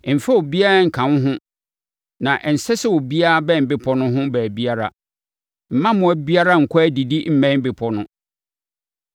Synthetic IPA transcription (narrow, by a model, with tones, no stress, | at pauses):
m̩˨fɛ˦o˨bi˦a˦ɾa˦ŋ̩˨kʰã˨n˦ɦʊ̃˦ | nã˨ʔɛ˨n̩˨sɛ˦sɛ˦wo˨bi˦a˦a˦bɛ˦m̩˨bɪ˦pʰɔ˦nʊ̃˦ɦʊ̃˦bæ˨bi˦a˦ɾa̰˨ | m̩˨˦mã˦mʊ̃˨æ˨bi˦a˦ɾa˦ŋ̩˨kʷʰɔ˦æ˦di˨di˦m̩˦mɛ̃˦m̩˦bɪ˨pʰɔ˦nʊ̃˦